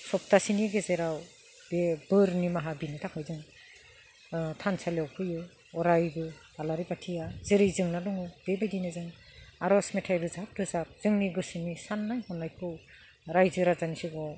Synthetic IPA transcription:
sɔp̚tʰasiniɡezeɾaw | bebɯɾnimaɦabinitʰakʰajzɯŋ | tʰansaljawkʰɯjɯ | ɔɾajɡɯ | alaɾibatʰijazɯɾɯjzɯŋnadɔŋud̥ebejdinɯzɯŋaɾɔsmetʰajɾɯzap̚ɾɯzap̚z̥ɯŋniɡɯsinisanːajhɔnːajkʰɯw | ɾajzɯɾazanisiɡɔ

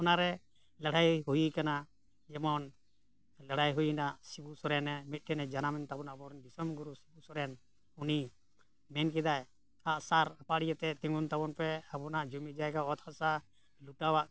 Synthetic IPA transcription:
pɔnaɾɛ | lɛɽajɦujikana | d͡ʒɛmɔn | lɛɽ̤ajɦujinaʔsibusɔɾɛnɛmit̪̚ʈʰɛnɛd͡ʒanamɛnt̪abɔnabɔɾɛnd̪isɔmɡuɾusibusɔɾɛn | uni | mɛnk̬ɛd̪aj | aʔsaɾapaɽijət̪ɛt̪iŋɡunt̪abɔnpɛapɔnaʔd͡ʒumid͡ʒajɡaɔt̪hasa | luʈawaʔ

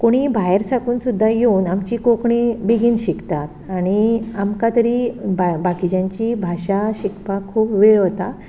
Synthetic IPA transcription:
koɽ̃iːbʱaɦeɾsakuːnsud̪ʱːajeunamt͡ɕiːkokɳibiɡiːnɕikt̪at̪aɽ̃iamkat̪əɾiːbabakid͡ʑãɲt͡ɕibʱaɕaɕikpakʰuːpʋeɭʋət̪a

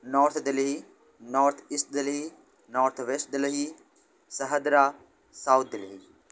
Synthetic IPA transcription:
nɔːɾt̪ʰd̪ɐlɦi | nɔːɾt̪ʰiːsʈ̚d̪əlɦi | nɔːɾt̪ʰʋesʈ̚d̪ɪləɦi | sɐɦəd̪ɾa | sawt̪̚ʰd̪ɪlɦi

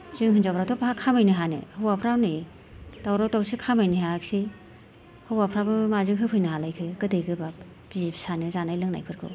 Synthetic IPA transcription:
zɯŋɦɯnzapʰɾawtʰɔpaɦakʰamajnɯɦanɯ̰hɯwapʰɾawni | tawɾawtawsikʰamajniɦak̚si | hɯwapʰɾabɯmazɯŋɦɯpʰɯjnɯɦalajkʰɯkɯdɯjɡʰɯbap̚ | bizipʰsanɯzanajlɯŋna̰jpʰɯɾkʰɯ̰w

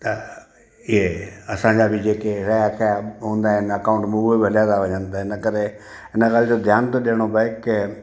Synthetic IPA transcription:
t̪ɐ | ɪɦeɐsãːɲd͡ʑabʱɪd͡ʑeːkeɾɛak̪ʰaɦũːnd̪aːɦɪnɐkaːʊ̃ɳʈmũːbobʱɐljat̪aʋɐɲə̃nd̪aɦɪnəkəɾe | ɦɪnəkəɾed͡ʑod̪ʱjaːnt̪oɗeːəɽ̃obaɪkːɪ

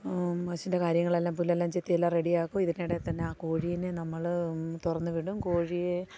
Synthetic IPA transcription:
ɐsinde̞kaːɾjɐŋːɐɭe̞lːaːmpulːelːaːmt͡ɕet̪ːijɐlːaːre̞ɽijaːkːuiðinejɽe̞t̪ɐnːe̞aːkoːɻijinɨnɐmːɐɭt̪urɐnːuʋiɽumkoːɻije

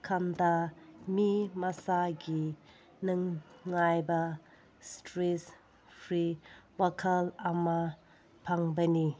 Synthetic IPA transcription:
kʰand̪ɐmimɐsaɡi | nɯŋːajbɐ | stɾes | pʰɾiwakʰɐlɐmɐ | pʰaŋbɐni

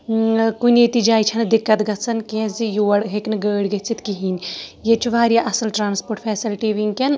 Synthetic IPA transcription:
kuneːt̪id͡ʒaːjt͡ʃʰɐnd̪ikːɐt̪ɡɐt̪sɐnkẽːzijuːɐɽɦeknɨɡəːɽɡɐt͡sʰit̪kiɦiːnʲjet͡ʃʰuʋaːɾjaʔɐsɐlʈɾaːnspoːɾʈpʰɛːsilʈiʋiŋkɐn

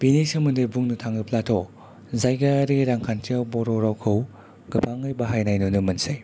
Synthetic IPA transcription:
binisɐmɯndebuŋnɯtʰaŋɯpʰlatʰɔ | zajɡaɾiɾaŋkʰantʰiawbɔɾɔɾawkʰɯw | ɡ̥ɯpʰaŋɯjbɐɦajnajnunɯmɐnsaj

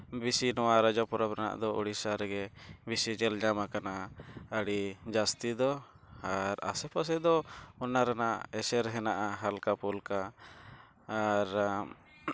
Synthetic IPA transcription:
bisinɔwaɾad͡ʒɔpɔɾapɾana̰ʔd̪ɔʔuɽisaɾɡɛbisid͡ʒɛlɲamakanaəɽid͡ʒast̪id̪ɔ | aɾa̰sɛpas̬ɛd̪ɔɔnaɾanaʔɛsɛɾɦɛnaʔaɦalkapulka | ɾ

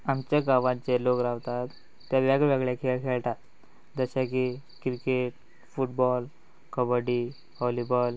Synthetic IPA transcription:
amt͡ɕjaɡaʋãt͡selokɾaʋt̪at̪ː | jaʋaɡʋeɡɭjakʰeɭkʰeɭʈ̪at̪ | d͡zəɕaki | kɾikeʈ̚ | fuʈ̚bɔl | kəbəɽi | hɔlibɔl

